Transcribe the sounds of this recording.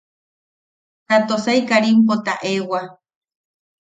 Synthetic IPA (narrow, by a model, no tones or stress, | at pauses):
t̪at̪osajkaɾimpot̪a̰ʔewa